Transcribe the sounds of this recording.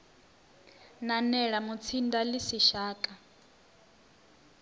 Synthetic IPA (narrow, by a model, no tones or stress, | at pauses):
nanɛɺamut͡sʰindalisiʃaːkʼa